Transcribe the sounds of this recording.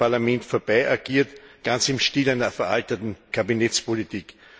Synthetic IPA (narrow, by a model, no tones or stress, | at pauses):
aɐlamɛntfoɐb̥aɪʔaɡ̥iːɐtɡ̥ant͡sɪmʃtiːlæɪnɐfɛɐʔaltətn̩kʰabinɛt͡spolitʰiːk